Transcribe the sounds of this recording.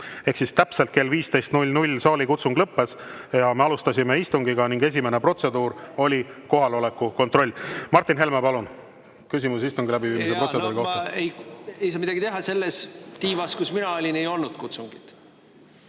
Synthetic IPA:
ehksist̪æpse̞lt̪̚ke̞lviːst̪e̞jst̪nulʲnulʲsɑːlʲikut̪suŋɡ̥lɤpːe̞sjɑme̞ɑlust̪ɑsʲime̞ist̪uŋɡ̥iɡɑniŋɡe̞s̬ʲime̞nepro̞t̪se̞d̪̥uːɾo̞lʲiko̞ɦɑlo̞le̞kːˑuko̞nt̪ro̞lʲːmɑrt̪ːˑinɦe̞lmepɑlun | kysʲimusist̪uŋɡilæbiviːmisepɾo̞tse̞d̪uːɾiko̞ɑejejsɑːmid̪ɑɡit̪e̞ɦɑse̞lːest̪iːvɑskusminɑolʲinejo̞lnud̪̥kut̪suŋɡ̥it̪

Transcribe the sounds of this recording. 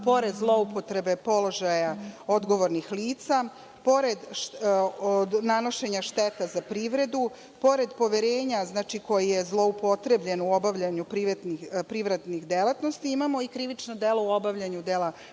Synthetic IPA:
po̞ɾe̞d̪zlˠo̞upo̞t̪ɾe̞be̞po̞lˠo̞ʒajao̞d̪ɡo̞ʋo̞ɾnixliːt̪sa | po̞ɾe̞d̪ʃ | nano̞ʃe̞ɲaʃt̪et̪azapɾiːʋɾe̞d̪u | po̞ɾe̞d̪po̞ʋeɾe̞ːɲaznaːt͡ʃiko̞jije̞zlˠo̞upo̞t̪ɾe̞bʎe̞nuo̞baʋʎaɲupɾiʋed̪nipɾiʋɾe̞d̪nixd̪elat̪no̞st̪iimamo̞ikɾiʋit͡ʃnod̪e̞lˠo̞uo̞baʋʎaɲud̪ela

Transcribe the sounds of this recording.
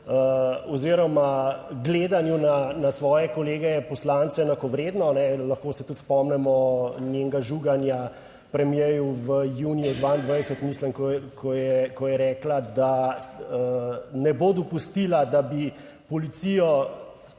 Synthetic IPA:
əɔziɾɔmaɡleːd̪anjunanasʋɔːjɛkɔleːɡɛɛpɔslaːnt̪sɛnakoʋɾeːd̪nɔnɛlɐxkoːsɛt̪ut̪spɔmnɛmɔneŋɡaʒuɡanja | pɾɛmjejuʋəjunijɔd̪ʋaind̪ʋajsət̪miːslɛmkkʰɔjɛkɔjɛɾɛːklad̪aənɛboːd̪ɔpust̪ilad̪abi | pɔlit̪sijɔ

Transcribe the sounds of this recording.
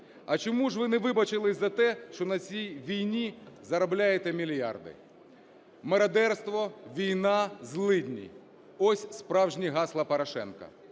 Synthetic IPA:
ɐt͡ʃɔmuʒʋɪnɛʋɪbɐt͡ʃɪlˠɪzɐt̪ɛʃt͡ʃɔnɐt͡sʲijʋʲijnʲizɐɾɐblʲajet̪ɛmʲilʲjɑ̰rd̪ɪ̰ | mɐɾɐd̪ɛrst̪ʋɔʋʲijnɑzlˠɪd̪ʲnʲḭ | ɔsʲspɾɑwʒnʲiɦɑslˠɐpɐɾɐʃɛ̰nkɐ̰

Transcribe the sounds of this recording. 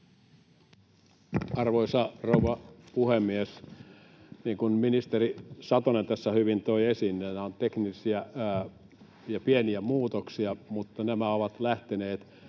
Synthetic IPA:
ɑrʋoisɑrouʋɑpuhemːies | niːŋkunminist̪erisɑt̪onent̪æsːæhyʋint̪oiesinːenæont̪eknisiæ | jɑpieniæmuːt̪oksiɑmut̪ːɑnæmæoʋɑt̪læht̪eneːt̪

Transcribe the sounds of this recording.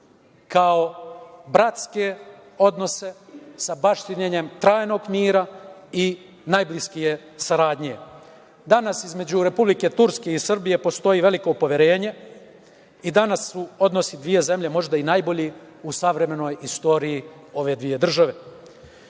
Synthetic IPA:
kaobɾat̪skeo̞d̪no̞se̞sabaʃt̪iɲeɲe̞mt̪ɾaːjno̞ɡmiːɾai | najbliskije̞ | saɾaːd̪ɲie | d̪anasizme̞d͡ʑuɾe̞publike̞t̪uɾske̞isr̩bije̞po̞st̪o̞jiʋe̞liko̞upoʋjeɾe̞ːɲe̞ | id̪anasːuo̞d̪no̞sid̪ʋije̞ze̞mʎe̞mo̞ʒd̪ainajbo̞ʎi | usaʋɾe̞me̞no̞jist̪o̞ːɾiji | o̞ʋe̞d̪ʋije̞d̪r̩ʒaʋe̞

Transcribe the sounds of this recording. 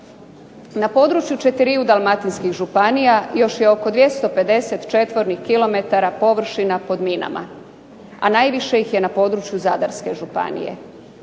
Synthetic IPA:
napo̞ːd̪ɾut͡ʃjut͡ʃe̞t̪iɾiud̪alˠmat̪inskixʒupanijajo̞ʃje̞o̞ko̞d̪ʋje̞st̪o̞pe̞d̪e̞se̞t̪t͡ʃe̞t̪ʋo̞ɾnixkilo̞me̞t̪aɾapo̞ʋr̩ʃinapo̞d̪mina̰ma̰ | a̰naːjʋiʃe̞jixje̞napo̞d̪ɾut͡ʃjuzad̪aɾske̞ʒupa̰nḭje̞̰

